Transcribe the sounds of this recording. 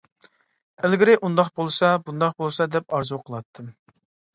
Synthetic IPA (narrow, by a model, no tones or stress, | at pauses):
elɡʲiɾɪʔund̪ɑqbolˠsɑbund̪ɑχbolˠsɑd̪ɛp̚ɑɾzuwqʰəlˠɑt̪ʰːɨ